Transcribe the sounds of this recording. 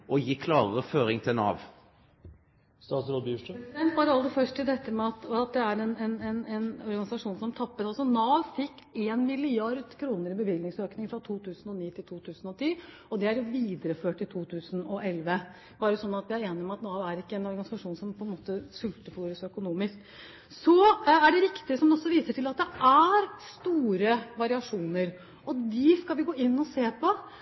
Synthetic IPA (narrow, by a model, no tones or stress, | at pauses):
ʔɔjiːkʰlɑːɾəɾəføːɾɪŋt̪ʰɪlnɑ̰ːʋ | st̪ɑːsɾoːbjʉʈd̪ɛnt̪bɑːɾəɑld̪əfœʂʈɪd̪ɛt̪ːəmɛɑt̪ɑt̪̚d̪ɛæɾɛnɛnɛnɛnɔɾɡɑnɪsɑʂuːnsɔmt̪ʰɑpːət̪ɑlsɔnɑːʋfɪkːeːnmɪlɪɑɾd̪kʰɾuːnəɾɪbəʋɪlnɪŋsøːknɪŋfɾɑt̪ʰuːt̪ʰʉːsnɔniːt̪ʰɪlt̪uːt̪ʰʉːsnɔt̪ʰiː | ɔd̪ɛæɾjʋiːd̪əɾəføːʈːɪlt̪ʰuːt̪ʰʉːsənɔʔɛlʋə | b̥ɑːɾəsɔnːɑt̪ʋɪhæeːnɪmɛɑt̪nɑːʋæɾɪkːəɛnɔɾɡɑnɪsɑʂuːnsɔmpʰɔɛnmoːt̪əsʉlt̪əfuːɾəsɔœkʊnuːmɪsk | sɔæɖɛɾɪkt̪ɪəsɔmd̪ɛɔsːɔʋiːsəʈɪlɑt̪̚d̪ɛʔæɾst̪uːɾəʋɑɾɪɑʂuːnəɾ | ɔd̪ɪskɑlʋɪɡoːɪnːɔseːpʰɔ